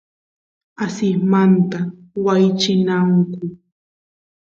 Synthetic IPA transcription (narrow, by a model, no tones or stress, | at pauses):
asɪmant̪awajt͡ʃɪnaŋkʊ